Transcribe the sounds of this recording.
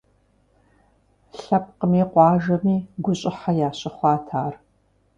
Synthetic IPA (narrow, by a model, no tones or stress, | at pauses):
ɬɐp̚qəmiːqʷɑːʒɐmiːɡʷʊɕʼɪħajaːɕʼɪχʷɑːtʰaːr